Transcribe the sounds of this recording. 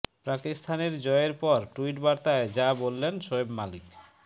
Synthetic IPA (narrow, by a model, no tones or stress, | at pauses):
pɾakist̪ʰaneɾd͡ʑɔeɾpɔɾʈuiʈbaɾt̪aed͡ʑabolːenʃoebmalik